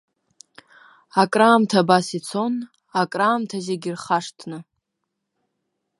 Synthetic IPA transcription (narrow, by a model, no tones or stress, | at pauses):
akʼraːmtʰabasit͡sʰo̞n | akʼraːmtʰazeɡʲɪrχaʂtʰnɨ